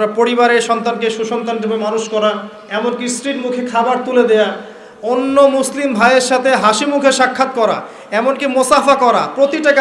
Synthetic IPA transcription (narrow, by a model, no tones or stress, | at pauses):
ɾapoɾiβaɾeɾʃɔnt̪ankeʃuʃɔnt̪anipemanuʃkɔɾa | ɛmonkisɾiʈmukʰekʰabaɾt̪uled̪eja | onːomuslimbʱajeɾʃat̪ʰeɦaʃimukʰeʃakʰːat̪̚kɔɾa̰ | ɛmonkimosafakɔɾapɾot̪iʈaka